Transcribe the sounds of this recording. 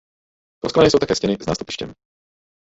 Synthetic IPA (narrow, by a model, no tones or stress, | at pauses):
p̪ɔsklanɛːjsowt̪akɛːscɛnɪzna̰ːst̪upi̥ʃcɛ̰m